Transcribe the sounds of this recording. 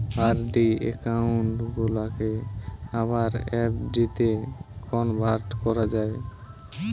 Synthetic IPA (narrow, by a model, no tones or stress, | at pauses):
aɾɖiḛkauɳʈɡolakeaβaɾɛpɖit̪ekʰɔnbʱaɾʈkɔɾad͡ʑae